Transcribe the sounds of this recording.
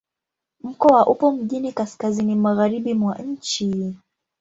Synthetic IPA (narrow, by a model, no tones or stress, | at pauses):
m̩kɔaʔupɔm̩ʄinikaskazinimaɣaɾiɓimwaɲ̩t͡ʃi